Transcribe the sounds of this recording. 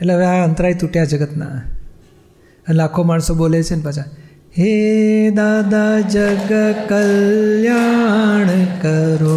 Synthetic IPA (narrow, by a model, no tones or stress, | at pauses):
eleɦəʋeɦaənt̪əɾait̪uʈjad͡ʒəɡət̪na̰ | ənlakʰomaɳsobolet͡ʃʰenpat͡ʃʰa | ɦed̪ad̪ad͡ʒəɡəkəljaɳ̃kəɾo